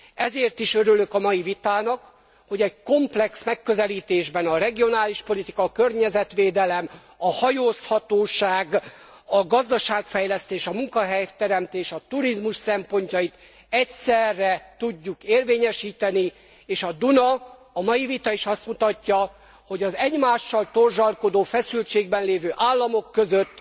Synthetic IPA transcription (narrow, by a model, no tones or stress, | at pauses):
ɛzeːrt̪iʃøɾylø̞kɒmɒjivit̪aːnɒk | ho̞ɟɛɟko̞mplɛksmɛkːø̞zɛliːt̪eːʒbɛnɒɾɛɡio̞naːliʃpo̞lit̪ikɒːkørɲɛzɛt̪ʋeːd̪ɛlɛm | ɒhɒjoːshɒt̪oːʃaːɡ | ɒɡɒzd̪ɒʃaːkfɛjlɛst̪eːʃɒmuŋkɒɦɛjt̪ɛɾɛmt̪eːʃɒt̪uɾizmuʃsɛmpo̞ɲcɒjit̪ | ɛcsɛrːɛt̪uɟːukeːrveːɲɛʃiːt̪ɛni | eːʃɒd̪unɒ | ɒmɒjivit̪ɒiʃɒst̪mut̪ɒcːɒ | ho̞ɟɒzɛɟmaːʃːɒlt̪o̞rʒɒlko̞d̪oːfɛsylt͡ʃeːɡbɛnleːvøːʔaːlːɒmo̞kːø̞zøt̪ː